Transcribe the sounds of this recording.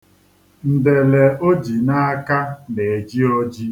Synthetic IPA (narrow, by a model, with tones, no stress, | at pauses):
n̩˨de˨le˨ʔo˦d͡ʒi˨na˦a˦ka˦ne˨e˨d͡ʒi˦o˦d͡ʒi˦